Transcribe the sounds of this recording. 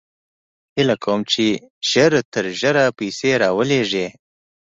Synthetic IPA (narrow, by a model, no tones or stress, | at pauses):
hɪlakʰawəmt͡ʃiʒ̥əɾt̪əɾʒəɾapiseɾɑwəleʐe